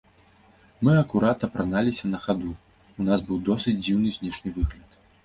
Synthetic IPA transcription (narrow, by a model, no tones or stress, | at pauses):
mɨɐkuɾat̪ɐpɾanalʲisʲɐnɐxad̪u | unasbɨwd̪ɔsɨd͡zʲd͡zʲiwnɨzʲnʲɛʂnʲɨvɨɣlʲɐt̪